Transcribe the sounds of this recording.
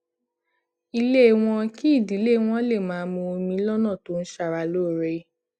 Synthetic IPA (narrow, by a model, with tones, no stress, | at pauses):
i˧le˦˨w̃ɔ̃˧ki˦i˦˨di˨˦le˦w̃ɔ̃˦le˦˨mãː˨˦˧mõ˧o˧mĩ˧˦lɔ˦nã˦˨to˨˦n̩˦ʃa˧˨ɾa˧lo˦˨ɾe˦